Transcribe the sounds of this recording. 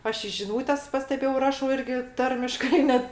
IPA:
ˈɐʃ ɪ ʒʲɪˈnuːtʲɛs pɐsʲtʲɛˈbʲeːjɛʊ ˈrɑːʃɐʊ ˈɪrʲɡʲɪ ˈtɐrʲmʲɪʃkɐɪ ˈnʲɛt

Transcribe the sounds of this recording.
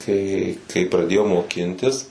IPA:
tɐɪ kɐɪ prɐˈdʲeːjɛʊ moːˈkʲɪnʲtʲɪs

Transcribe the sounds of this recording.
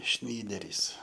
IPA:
ˈʃʲnʲiːdʲɛrʲiːs

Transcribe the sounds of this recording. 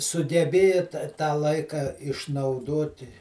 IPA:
sʊɡʲɛˈbʲeːjɛ tɐ tɑː ˈlˠɐɪkɐ ɪʃnɐʊˈdoːtʲɪ

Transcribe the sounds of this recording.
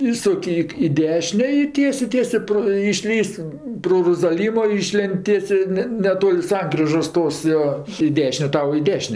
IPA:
ˈiːsʊkʲ ɪk ɪ ˈdʲæːʃʲɪnʲeː ɪ ˈtʲiɛsʲeː ˈtʲiɛsʲeː proː ɪʃʲˈlʲiːsʲ proː roːzɐˈlʲiːmoː ˈiːʃʲlʲeːnʲtʲ ˈtʲiɛsʲeː ˈnʲɛ nʲɛˈtoːlʲ ˈsɐŋkrʲɪʒoːs ˈtoːs joː ɪ ˈdʲæːʃʲɪnʲeː ˈtɐʊ ɪ ˈdʲæːʃʲɪnʲeː

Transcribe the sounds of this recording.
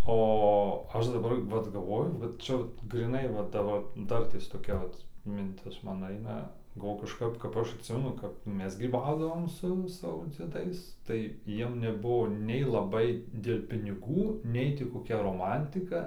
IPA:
oː ˈɐʃ dɐˈbɐr ʋɐt ɡɐlˠˈʋoːjʊ ˈʋɐt ˈt͡ʃʲɛ ʋɐt ɡrʲiːˈnɐɪ ʋɐ ˈdɑːbɐr ˈdɐrʲtʲeːs toːˈkʲɛ ˈʋɐt mʲɪnʲˈtʲɪs ˈmɐn ˈɐɪnɐ ɡɐlˠˈʋoːjʊ kɐʃˈkɐp kɐp ˈɐʃ ɐtʲˈsʲɪmʲɛnʊ ˈkɐp ˈmʲɛs ɡrʲiːˈbɐʊdɐʋoːm sʊ ˈsɑːʋoː d͡zʲiɛˈdɐɪs tɐɪ ˈjiɛm nʲɛˈbʊʋoː nʲɛɪ lˠɐˈbɐɪ dʲeːlʲ pʲɪnʲɪˈɡuː ˈnʲɛɪ tʲɪ koːˈkʲɛ roːˈmɐnʲtʲɪkɐ

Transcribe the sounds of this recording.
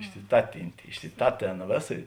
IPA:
ɪʃʲsʲɪˈtɑːtʲɪnʲtʲeː ɪʃʲsʲɪˈtɑːtʲeːn ˈʋʲeːˌsɐ

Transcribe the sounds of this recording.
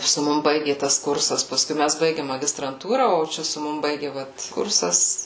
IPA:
sʊ ˈmʊm ˈbɐɪɡʲeː ˈtɐs ˈkʊrsɐs pɐˈskʊɪ ˈmʲæs ˈbɐɪɡʲeːm mɐɡʲɪstrɐnˈtuːrɐ oː ˈt͡ʃʲɛ sʊ ˈmʊm ˈbɐɪɡʲɪ ˈʋɐt ˈkʊrsɐs

